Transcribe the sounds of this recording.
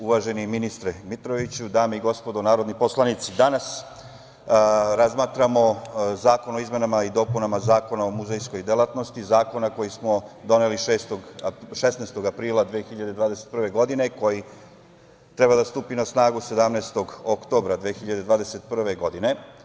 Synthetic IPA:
uʋaʒe̞niminist̪ɾemit̪ɾo̞ʋit͡ɕud̪aːmeiɡo̞spod̪onaːɾod̪nipo̞slˠanit̪sid̪anas | ɾazmaːt̪ɾamo̞zaːko̞no̞izme̞namaid̪o̞ːpunamazaːko̞naomuzejsko̞jd̪elˠat̪no̞st̪izaːko̞nako̞jismo̞d̪o̞ne̞liʃeːst̪oɡʃesnest̪o̞ɡapɾiːlˠad̪ʋexiʎad̪e̞d̪ʋaːd̪e̞set̪prʋe̞ɡo̞d̪ine̞ko̞ji | t̪ɾebad̪ast̪uːpinasnaːɡuse̞d̪amnest̪o̞ɡokt̪o̞bɾad̪ʋexiʎad̪ed̪ʋaːd̪ese̞t̪̚pr̩ʋe̞ɡo̞d̪ine̞

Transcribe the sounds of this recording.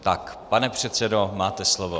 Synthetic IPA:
t̪akpanɛpr̝̥ɛt̪sɛdomaːt̪ɛslovo

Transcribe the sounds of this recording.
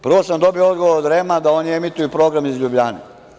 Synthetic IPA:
pr̩ʋosamd̪o̞biood̪ɡoʋoɾod̪ɾemad̪ao̞niemit̪ujupɾo̞ːɡɾamizʎubʎane

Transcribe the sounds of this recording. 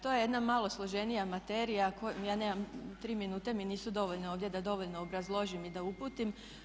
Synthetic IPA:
t̪o̞ːjeje̞d̪namalˠo̞slˠo̞ʒe̞nijamat̪eɾijakojaːneːmamt̪ɾiːminuːt̪e̞miniːsud̪o̞ʋoʎne̞oːʋd̪je̞d̪ad̪o̞ʋoʎnoːbɾazlˠo̞ʒimid̪aupuːt̪im

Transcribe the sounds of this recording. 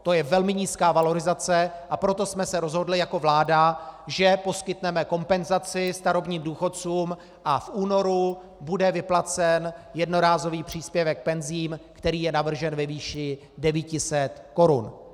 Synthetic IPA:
t̪o̞jɛvɛlmɪɲiːskaːvalo̞ɾɪzat͡sɛʔapɾo̞t̪o̞smɛsɛɾo̞zɦo̞dlɪjako̞vlaːdaʒɛpo̞skɪt̪nɛmɛko̞mpɛnzat͡sɪst̪aɾo̞bɲiːmduːxo̞tt͡suːm | ʔafʔuːno̞ɾu | budɛvɪplat͡sɛnjɛdno̞ɾaːzo̞viːpr̝̥iːspjɛvɛk̚pɛnziːmkt̪ɛɾiːjɛnavr̩ʒɛnvɛviːʃɪ | dɛviːcɪsɛt̪ko̞ɾun

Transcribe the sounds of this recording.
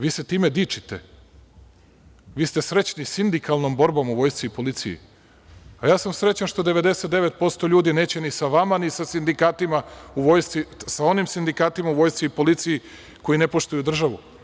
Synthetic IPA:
ʋiːset̪iːmed̪iːt͡ʃit̪e | ʋiːst̪e̞sɾe̞t͡ɕnisind̪ikalˠno̞mbo̞ɾbo̞muʋo̞jst̪siipo̞lit̪sijḭ | ajaːsamsɾe̞t͡ɕanʃt̪o̞d̪e̞ʋe̞d̪eset̪d̪eʋe̞t̪̚po̞st̪o̞ʎuːd̪ine̞ːt͡ɕe̞nisaʋamanisasind̪ikaːt̪imauʋo̞jst̪isao̞nimsind̪ikaːt̪imauʋo̞jst̪siipo̞lit̪siji | ko̞jine̞po̞ʃt̪ujud̪r̩ʒaʋu

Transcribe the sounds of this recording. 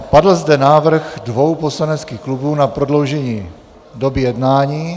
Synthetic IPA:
padl̩zdɛnaːvr̩ɣdvo̞wposlanɛt͡skiːxklubuːnapɾo̞dlo̞wʒɛɲiː | do̞bɪjɛdnaːɲiː

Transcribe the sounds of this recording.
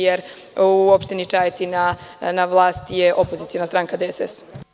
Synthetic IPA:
jeɾ | uopʃt̪init͡ʃaːjet̪inanaʋlˠaːst̪jeʔopozit̪sijo̞nast̪ɾaŋkad̪eesḛs

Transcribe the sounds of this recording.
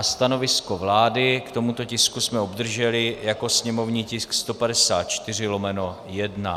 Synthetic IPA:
st̪ano̞vɪskovlaːdɪkt̪o̞mut̪o̞cɪskusmɛobd̪r̩ʒɛlɪjako̞sɲɛmo̞vɲiːcɪskst̪o̞padɛsaːt̪̚t͡ʃt̪ɪr̝ɪlomɛno̞ | jɛdna̰

